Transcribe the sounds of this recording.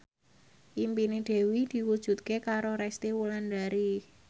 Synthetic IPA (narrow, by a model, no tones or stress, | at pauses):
ʔimpined̪̥e̤wid̪̥i̤wud̥ʒ̥ṳt̪̚kekaɾoɾɛst̪iwuland̪aɾi